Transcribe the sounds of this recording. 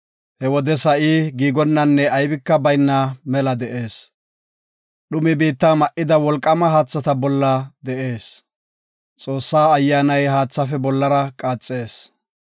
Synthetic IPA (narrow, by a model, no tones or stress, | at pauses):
hɛwɔd̪ɛsɐʔiːɡiːɡɔnːɐnːɛɐjbɪkːɐbɐjnːɐmɛlɐd̪ɛʔe̞ːs | ɗʊmɪbiːt̪ːamɐʔɪd̪ɐwɔlkʼːɐmɐɦaːt͡sːɐt̪ɐbɔlːɐd̪ɛʔe̞ːs | t͡sʼo̞ːsːaːɐjːaːnɐjɦaːt͡sːɐfɛbɔlːɐɾɐkʼaːt͡sʼːe̞ːs